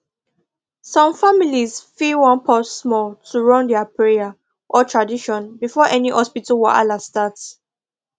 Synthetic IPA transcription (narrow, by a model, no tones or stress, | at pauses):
sɔ̃mfamilizfiwɔ̃npʰɔsːmɔltʰuɹɔ̃ndɛapʰɹeja | ʔɔtʰɹadiʃɔ̃nbifɔʔɛnihɔspitawɛʔa̰lastat